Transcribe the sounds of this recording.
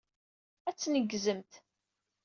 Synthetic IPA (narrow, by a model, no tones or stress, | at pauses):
æt͡sːnəɡzəmt̪